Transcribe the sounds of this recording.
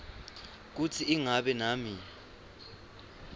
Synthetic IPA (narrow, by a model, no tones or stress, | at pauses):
k̬ut͡sʰiːŋaɓɛnaːmi